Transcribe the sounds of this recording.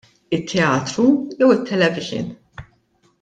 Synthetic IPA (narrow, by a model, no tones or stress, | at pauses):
ɪt̪ʰːɛɐːt̪ɾujɛwɪt̪ʰːɛlɛvɪʒɪ̰n